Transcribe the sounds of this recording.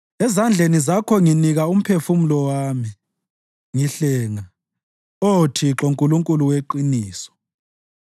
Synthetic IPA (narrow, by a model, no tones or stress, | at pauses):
ɛzand͡ɮʱenizakʰɔŋiniɣaum̩pʰefumulɔwaːmi | ŋiɬɛːŋa | otʰiǁoŋkʼuluŋkʼuluweǃiniːsɔ̥